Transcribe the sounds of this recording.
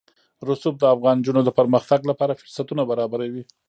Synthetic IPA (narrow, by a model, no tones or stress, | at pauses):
ɾʊsup̚d̪əafɣɑnd͡ʒunod̪əpəɾməxt̪aɡlapɑɾafʊɾsat̪unabaɾɑbaɾawi